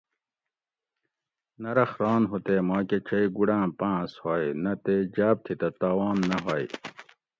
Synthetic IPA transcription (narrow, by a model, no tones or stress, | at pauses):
nɐɾɐxɾɑːnɦut̪eːmaːket͡ɕʰɐiɡuɽãːpãːshaːjnɐt̪eːd͡ʑaːp̚t̪ʰit̪ɐt̪aːwaːnːɐɦaːj̰